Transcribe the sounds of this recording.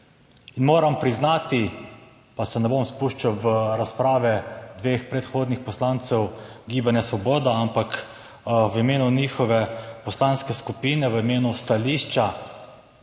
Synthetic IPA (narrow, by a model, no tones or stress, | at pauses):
inmoːɾampɾiznaːt̪i | pasɛnɛbomspuːʃt͡ʃawʋəɾaspɾaːʋɛd̪ʋeːxpɾɛt̪xoːd̪nixpɔslaːnt̪sɛwɡiːbanjasʋɔboːd̪aampak | ʋimeːnuniːxɔʋɛpɔslanskɛskupiːnɛʋəimeːnust̪aliːʃt͡ʃa